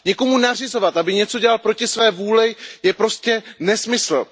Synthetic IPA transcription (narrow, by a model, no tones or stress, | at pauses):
ɲɛko̞munar̝ɪzo̞vat̪ʔabɪɲɛt͡so̞ɟɛlalpɾo̞cɪsvɛːvuːlɪjɛpɾo̞scɛnɛsmɪsl̩